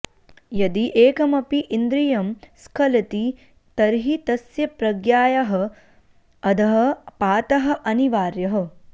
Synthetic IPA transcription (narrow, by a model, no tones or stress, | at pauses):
jɐd̪iʔeːkɐmɐpiʔind̪ɾijɐmskʰɐlɐt̪i | t̪ɐɾɦit̪ɐsjɐpɾɐɡjaːjɐɦɐ | ɐd̪ɐɦɐpaːt̪ɐɦɐ̆ʔɐniʋaːɾjɐɦɐ̆